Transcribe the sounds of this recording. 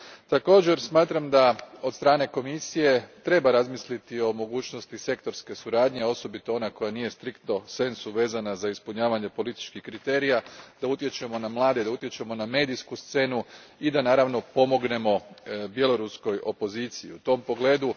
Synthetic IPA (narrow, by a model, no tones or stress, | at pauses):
t̪ako̞ːd͡ʑe̞ɾsmaːt̪ɾamd̪ao̞d̪st̪ɾaːne̞ko̞misije̞t̪ɾe̞baɾazmislit̪io̞mo̞ɡuːt͡ʃnost̪ise̞kt̪o̞ɾske̞suɾaːd̪ɲe̞o̞so̞bit̪o̞o̞nako̞janije̞st̪ɾikt̪no̞se̞nsuʋe̞ːzanazaispuɲaːʋaɲe̞po̞lit̪i̥t͡ʃkixkɾit̪e̞ːɾijad̪̥aut̪je̞t͡ʃe̞mo̞namlˠaːd̪ed̪aut̪je̞t͡ʃe̞mo̞name̞ːd̪iskust̪se̞ːnu | id̪anaːɾaʋno̞po̞mo̞ɡne̞mo̞bje̞lo̞ɾusko̞jo̞po̞ziːt̪sijḭut̪o̞mpo̞ɡle̞ːd̪u